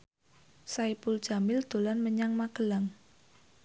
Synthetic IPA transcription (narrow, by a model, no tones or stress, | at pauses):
saipul̥ʒ̥a̤mɪld̪̥o̤lanməɲaŋmakəlaŋ